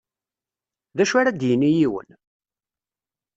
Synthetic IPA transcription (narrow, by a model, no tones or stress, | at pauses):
ðæʃaɾæd̪jənːijiwə̰n